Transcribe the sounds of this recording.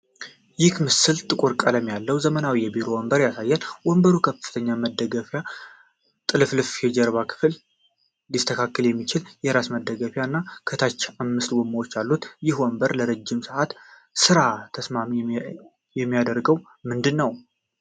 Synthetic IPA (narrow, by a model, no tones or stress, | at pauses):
jɪkmɨsɨlt̪ʼɨkʼuɾkʼələmjalːəwzəmənawijɛbiɾowɔmbəɾjasajːɛnwɔmbəɾukʰəfɨt̪ʰəɲːaməd̪ːəɡəfja | t̪ʼɨlɨflɨfjɛd͡ʒɛɾβakʰɨ̥fl | list̪ʰəkʰakːəljɛmːit͡ʃɪljɛɾasməd̪ːəɡəfjanːakʰət̪ʰat͡ʃːamːɨst̪wɔmːawot͡ʃːalːut̪jɪhwɔmbəɾləɾəd͡ʒːɪmsɨʔat̪ | sɨɾat̪ʰəsmam | jɛmːijad̪əɾɡəw | mɨnd̪ɨnːəw